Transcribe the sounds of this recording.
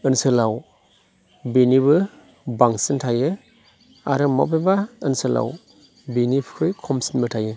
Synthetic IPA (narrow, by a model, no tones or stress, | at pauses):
ɯnsɯlaw | binibɯ | baŋsɯntʰajɯ | a̰ɾɯma̰pebaɯnsɯla̰w | binipʰkʰɯjkʰɔmsinbɯtʰajɯ